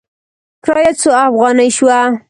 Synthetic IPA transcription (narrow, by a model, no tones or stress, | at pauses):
kɾɑjat͡soafɣɑnəjʃwa